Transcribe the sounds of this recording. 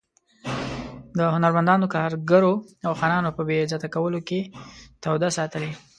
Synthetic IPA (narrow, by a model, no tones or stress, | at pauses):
d̪əhʊnaɾmand̪ɑnokɑɾɡaɾoawxɑnɑnopəbezɑt̪akawəloket̪awd̪asɑt̪əle